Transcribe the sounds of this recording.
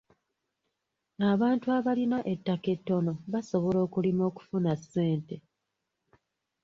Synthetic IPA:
aβaːntuaβalinaʔe̞tːake̞tːo̞no̞βaso̞βolo̞ːkulimo̞ːku̥funasːe̞ːnte̞

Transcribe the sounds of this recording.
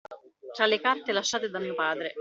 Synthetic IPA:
t̪ɾalekart̪elaʃːaːt̪ed̪amiːopaːd̪ɾe

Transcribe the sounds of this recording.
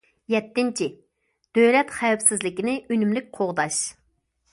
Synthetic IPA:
jɛt̪ːɪnt͡ʃʰɪ | d̪̥øjlɛt̪χɛwpsɪzlɪkʲɪnɪʔynymlɪk̚ʲqʰoʁd̪ɑʃ

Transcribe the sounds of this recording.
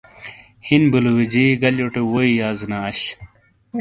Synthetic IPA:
hinbuluwed͡ʑiɡɐloʈewoijaːznaːɕ

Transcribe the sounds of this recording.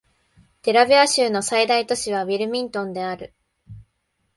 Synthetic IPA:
t̪e̞ɾabʲiaɕɨːnosaid̪ait̪o̞ɕiβ̞aβʲiɾɯ̟mʲĩnt̪õ̞nd̪e̞aɾɯ̟

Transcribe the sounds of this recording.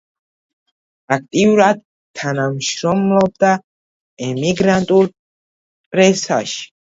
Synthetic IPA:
ak̚ʰt̪ʼiuɾad̪̚ | t̪ʰːanamʃɾɔmlɔb̚d̪a | ɛmiɡɾant̪ʼul | pʼɾɛsa̰ʃi̥

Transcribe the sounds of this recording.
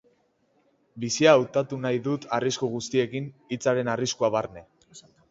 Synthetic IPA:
bisiaːwt̪at̪unajðut̪ariskuɣ̞ust̪ie̞kinit͡saɾe̞nariskuaβarne̞

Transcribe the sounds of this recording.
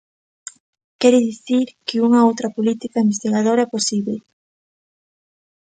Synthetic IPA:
kɛɾɪðiθiɾkɪuŋɐowt̪ɾɐpolit̪ikaimbest̪iɣað̞oɾaɛposiβle

